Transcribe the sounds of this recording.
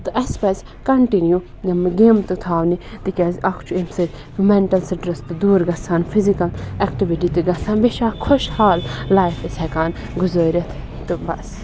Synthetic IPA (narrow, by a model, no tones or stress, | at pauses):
t̪ɨʔɐspɐs | kɐɳʈinju | nɐmɡeːmt̪ɨt̪ʰaːʋnit̪ikʲɐːzɐkt͡ʃuemsɐ | mɛɳʈɐlsɐɖɾɐst̪ɨd̪uːɾɡɐsaːnpʰizikɐlɛkʈiʋiʈit̪ɨɡɐsãːnbeʃaːkʰoʃhaːlːaːjfɐsɛkaːn | ɡʊzəːɾʲɐt̪ʰ | t̪ɨbɐs